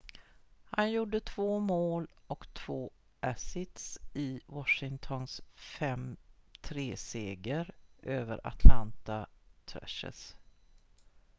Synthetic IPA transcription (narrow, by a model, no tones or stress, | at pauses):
hanjuɖət̪ʰvoːmoːlɔkt̪ʰv̥oː | ʔæsɪt̪sɪwɔʂɪŋt̪ʰɔnsfɛmt̪ʰɾeːseːɡəɾʔøːvə̰ɾa̰t̪ʰlant̪at̪ʰɾœ̰ʂə̰s